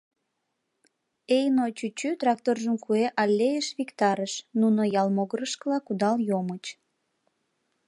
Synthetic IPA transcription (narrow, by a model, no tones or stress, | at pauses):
ejnot͡ɕyt͡ɕyt̪rɑk̚t̪orʒəmkueʔɑlʲːejəʃβikt̪ɑɾəʃnunojɑlmoɣəɾəʃkəlɑkud̪ɑljomət͡ɕ